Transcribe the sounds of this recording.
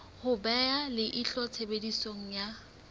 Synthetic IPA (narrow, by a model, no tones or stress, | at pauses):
hʊbɛalɪʔɪɬɔt͡sʰebedisoŋ̩ja